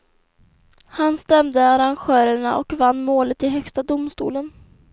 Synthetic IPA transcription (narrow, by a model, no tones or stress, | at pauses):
hanst̪ɛmd̪əaɾanɧœːɾəɳaʔɔkvanːmoːlət̪ɪɦœkst̪ad̪ʊmst̪ṵːlən